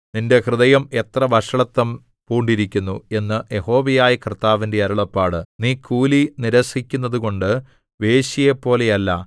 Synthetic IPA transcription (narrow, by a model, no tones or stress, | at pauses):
ninde̞krɨðɐjɐmet̪rɐʋɐʂɐɭɐt̪ːɐm | puːɳɖiɾikʲːunːue̞nːɨje̞ho̞ːʋɐjaːjikrt̪ːaːʋindeɐɾuɭɐpːaːɽɨniːkʰuːliniɾɐsikʲːunːɐðuko̞ɳɖɨ | ʋe̞ːɕijepːo̞ːle̞jɐlːɐ̰